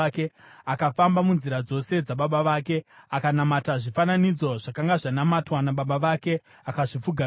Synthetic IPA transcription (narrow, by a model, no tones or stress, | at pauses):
ke̞akafambamunziɾad͡zo̞se̞d͡zaɓaɓaʋaːke̞akanamataʐifananid͡zo̞ʐakaŋɡaʐanamatwanaɓaɓaʋake̞ | akaʐip͡fuɡʱa